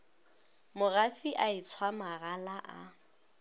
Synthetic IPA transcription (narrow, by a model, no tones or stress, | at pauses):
mʊrafiʔait͡sʰwamaɣalaʔa